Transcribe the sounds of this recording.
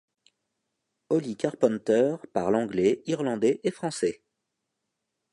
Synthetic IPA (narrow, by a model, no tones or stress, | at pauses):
ɔlikaʁpɔ̃nt̪œʁpaʁlɑ̃ɡlɛiʁlɑ̃d̪ɛʔefχɑ̃sɛ